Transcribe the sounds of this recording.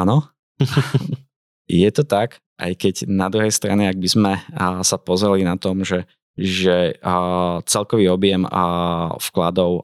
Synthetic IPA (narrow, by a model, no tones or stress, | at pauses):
anɔ | jɛt̪ɔt̪ak | ʔa̰jkɛɟnad̪ɾuɦɛjst̪ɾanɛaɡ̚bizmɛsapɔzɾɛlinat̪ɔmʒɛ | ʒɛ | t͡sɛlkɔʋiːɔbɪɛm | fklad̪ɔʊ